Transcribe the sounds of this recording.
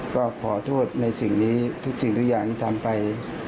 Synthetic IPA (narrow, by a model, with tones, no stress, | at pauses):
kɔː˥˩kʰɔ̰ː˩˦t̪ʰu˥˩t̪̚na˧jsi˨˩ŋniː˦˥t̪ʰu˦˥k̚si˨˩ŋt̪ʰu˦˥k̚jaː˨˩ŋt̪ʰiː˥˩t̪ʰa˧mpa˧j